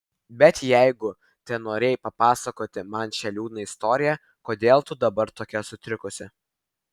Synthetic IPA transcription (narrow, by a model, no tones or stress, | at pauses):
bʲɛt̪jɛɪɡʊ | t̪ʲɛnoːɾʲeɛːjpɐpɑːsɐkoːt̪ʲɪmɐnʃʲɛlʲuːnɐɪst̪oːɾʲɪjɛ | koːd̪ʲeːlˠt̪ʊd̪ɐbɐɾt̪oːkʲɛsʊt̪ʲɾʲɪkʊsʲɪ